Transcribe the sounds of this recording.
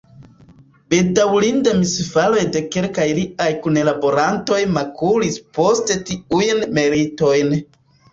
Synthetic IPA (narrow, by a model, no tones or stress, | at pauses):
bedawlindamisfalo̞jde̞ke̞lkajliajkune̞labo̞ɾanto̞jmakulispo̞ste̞tiujnme̞ɾito̞jn